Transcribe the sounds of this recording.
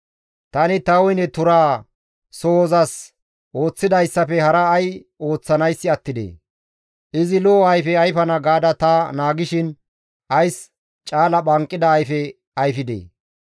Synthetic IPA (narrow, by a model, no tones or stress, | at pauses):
t̪ɐnɪt̪ɐwɔjnɛt̪ʊɾaː | soːzɐs | ʔo̞ːt͡sːɪd̪ɐjsːɐfɛhɐɾɐːjo̞ːt͡sːɐnɐjsːɪɐt̪ːɪd̪ḛː | ʔɪzɪloːɐjfɛɐjfɐnɐɡaːd̪ɐt̪ɐnaːɡɪʃɪn | ʔɐjs | t͡ʃʼaːlɐɓɐŋkʼːɪd̪ɐːjfɛ | ɐjfɪd̪ḛː